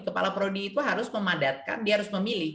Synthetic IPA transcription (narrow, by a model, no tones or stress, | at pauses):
kəpa̰lapəɾodiːt̪uɦaɾʊsməmadat̪̚ka̰ndiaɦaɾʊsməmilɪ